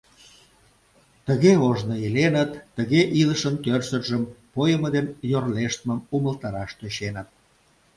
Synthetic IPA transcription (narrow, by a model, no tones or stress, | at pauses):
t̪əɣeoʒnəelenət̪ːəɣeʔiləʃənt̪ørsərʒəmpojəməd̪enjorleʃt̪əməmuməlt̪ɑɾɑʃt̪øɕenət̪̚